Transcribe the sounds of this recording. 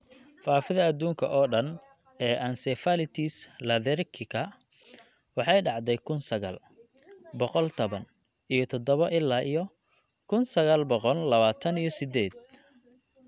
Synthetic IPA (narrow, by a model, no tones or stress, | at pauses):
faːfɪðɐɐd̪uːŋkʰɐ̰ʔɔːɖɐn | ɛːʔansɛfalɪt̪ʰislɐðɛɾkʰɪkʰɐ | wɑħɑjɖɑʕd̪ɛjkʰʊnsɐɣa̰ːl | bɔqɔlt̪ʰɔβɐn | ijɞt̪ʰɔd̪ɔβɐʔɪlːaːʔijɔ | kʰʊnsɐɣaːlbɔqɔllɐβaːt̪ʰɐnijɞsɪd̪ɛːd̪̥̚